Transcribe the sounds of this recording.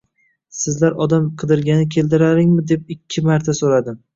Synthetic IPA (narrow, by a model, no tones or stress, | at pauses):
sɪzlaɾɒd̪amqʰɨd̪ɪɾɡʲanɪkʲʰe̞ld̪ɪɾaɾɪŋmɪd̪e̞p̚ɪkʲʰːɪmaɾt̪ʰasolad̪ɪm